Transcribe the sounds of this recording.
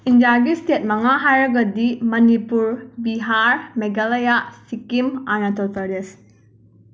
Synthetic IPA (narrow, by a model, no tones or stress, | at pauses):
indijaɡistet̚mɐŋaɦajɾɐɡɐdimɐnipuɾbiɦaɾmeɡalajasikimanɐtʰɔtʰɐɾes